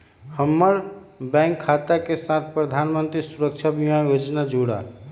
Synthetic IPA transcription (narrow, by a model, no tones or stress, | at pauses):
həmːəɾbɛ̃ŋkʰːat̪akesãt̪ʰpɾəd̪ʱaːnmənt̪ɾisuɾəkt͡ʃʰabimajoːd͡ʒnad͡ʒoɽa̰